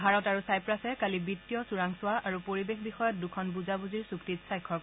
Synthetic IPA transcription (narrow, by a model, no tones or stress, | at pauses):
bʱaɹɔtaɹusajpɹasɛkalibitːijɔsuɹaŋsʊwaʔaɹupoɹibexbixɔjɔt̚dukʰɔnbuzabuziɹsuktitsajkʰːɔ